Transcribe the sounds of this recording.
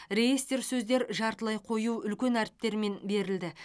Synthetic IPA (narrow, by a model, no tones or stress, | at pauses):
re̞jest̪e̞ɾsɵzd̪e̞ɾʒɑɾt̪əlˠɑjqʰo̞juʏlkʲe̞næɾɪ̥p̚t̪e̞ɾme̞nbe̞ɾɪld̪ɪ